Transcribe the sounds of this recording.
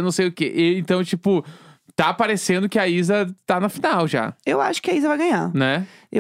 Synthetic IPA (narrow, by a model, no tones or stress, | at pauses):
nɐ̃w̃sejʊkeʔeẽnt̪ɐ̃w̃t͡ʃipʊ | t̪apaɾesẽnd̪ʊkɪaizɐt̪anɐfinawʒa̰ewaʃʊ̥kɪaizɐvajɡɐ̃ɲanɛe